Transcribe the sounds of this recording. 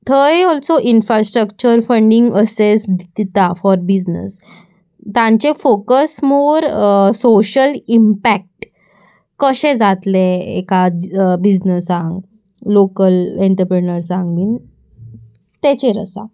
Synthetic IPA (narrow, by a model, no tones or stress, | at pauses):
t̪ʰəjɔlsoʔinfɾasʈɾəkt͡ɕəɾfəɳɖiŋɡəsesd̪id̪it̪afɔɾbid͡ʑnə̰s | t̪ãɲt͡ɕefokəsmoɾsoɕəlimpæk̚ʈ | kəɕẽd͡zat̪leḛkabid͡ʑnəsãŋɡ | lokəleɳʈəɾpɾinəɾsãŋɡliːn | t̪et͡ɕeɾə̰sa̰